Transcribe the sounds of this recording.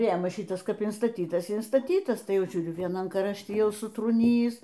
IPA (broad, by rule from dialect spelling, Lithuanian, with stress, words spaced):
ˈrʲeːmɐs ˈʃʲɪtɐs ˈkɐp ɪnstɐˈtʲiːtɐs ɪ ɪnstɐˈtʲiːtɐs ˈtɐɪ ˈjɛʊ ˈʒʲuːrʲʊ ʋʲiɛˈnɐm krɐʃʲˈtʲɪ ˈjɛʊ sʊtruːˈnʲiːjiːs